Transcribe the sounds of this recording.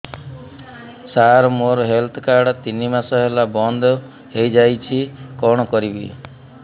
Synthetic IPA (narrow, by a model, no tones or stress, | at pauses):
saɾmoɾɔɦelt̪ʰɔkaɾɖt̪inimasɔɦelabɔnd̪ʱɔ | ɦejd͡ʒajt͡ʃʰikɔɽ̃ɔkɔɾibḭ